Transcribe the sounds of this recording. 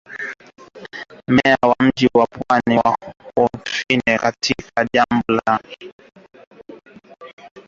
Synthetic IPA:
mɛawam̩ʄiwapwaniwaɔfinɛkatʰikaʄambɔla

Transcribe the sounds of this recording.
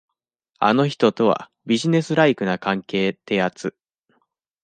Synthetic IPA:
a̰no̞çi̥t̪o̞t̪o̞βa̰ | bʲiʑine̞sɨɾaikɯ̟nakãŋke̞ːt̪e̞jat͡sɨ

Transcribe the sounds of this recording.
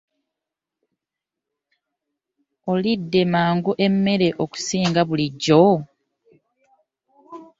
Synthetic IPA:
olidːe̞maːŋɡuʔe̞mːe̞ɾe̞ʔo̞ku̥siːŋɡaβuliɟːo

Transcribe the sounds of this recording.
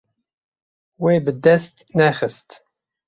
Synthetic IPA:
weːbɨd̪ɛst̪nɛxɨst̪

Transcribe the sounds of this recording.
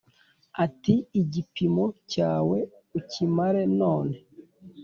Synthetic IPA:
atiiɟipimocaːwe | ucimaɾenoːne

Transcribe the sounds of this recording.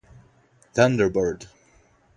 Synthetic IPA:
θʌ̃ndə˞bəɹd

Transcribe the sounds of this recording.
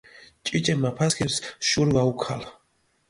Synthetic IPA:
t͡ʃʼit͡ʃʼɛmapʰaskʰɛpsʃuɾvaukʰal

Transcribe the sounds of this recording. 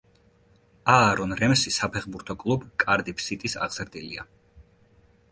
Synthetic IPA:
aːɾɔnɾɛmsisapʰɛχbuɾt̪ʰɔkʼlˠubkʼaɾd̪ipʰsit̪ʼisa̰ʁz̥ɾd̪ilḭa̰

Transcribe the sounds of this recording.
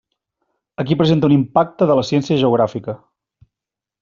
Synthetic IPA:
əkipɾəzent̪əunimpak̚t̪əðələsjɛnsiəʒəuɣ̞ɾafikə

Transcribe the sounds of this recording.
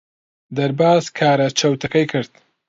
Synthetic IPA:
d̪ɐɾbaːzkʰaːɾat͡ʃʰɐwt̪ʰɐkɐjkʰɨɾd̪

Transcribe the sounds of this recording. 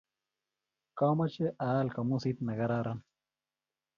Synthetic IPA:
kaːmɐt͡ʃeʔaːlkɐmusit̪nɐɡɐɾaːɾan

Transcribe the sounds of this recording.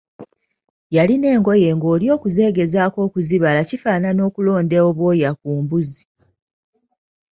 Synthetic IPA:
jaline̞ːŋɡo̞je̞ːŋɡo̞ːljo̞ːkuze̞ːɡe̞zaːko̞ːkuziβalacifaːnano̞ːkulo̞ːndeoβwo̞ːjakuːmbuzi

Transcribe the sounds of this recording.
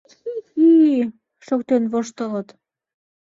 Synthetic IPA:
ii | ʃokt̪enβoʃt̪ə̆lət̪

